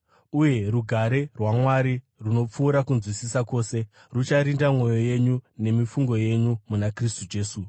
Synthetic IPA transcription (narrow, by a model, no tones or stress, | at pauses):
uje̞ruɡʱaɾe̞rwamwaɾi | runo̞p͡fuːɾakunzwisisako̞ːse̞ | rut͡ʃaɾindamŋo̞jo̞je̞ɲune̞mifuŋɡo̞je̞ɲumunakristud͡ʒe̞ːsu